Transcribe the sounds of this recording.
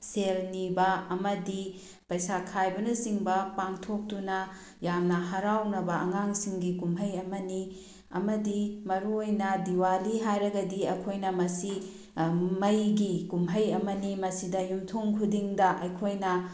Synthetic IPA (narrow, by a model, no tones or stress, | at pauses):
selnibɐɐmɐdi | pɐjsakʰajbɐnɐsiŋbɐpaŋtʰok̚tunɐ | jamnɐɦɐɾawnɐbɐɐŋaŋsiŋɡikumɦɐjɐmɐni | ɐ̰mɐdimɐɾuojnɐdiwaliɦajɾɐɡɐdiɐjkʰojnɐmɐsi | mɐjɡikumɦɐjɐmɐnimɐsidɐjumtʰoŋkʰudiŋdɐʔɐjkʰojnɐ